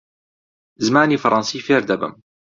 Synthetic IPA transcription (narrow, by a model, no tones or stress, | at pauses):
zmaːniːfɑɾˤɑnsiːfeːɾd̪ɐbə̰m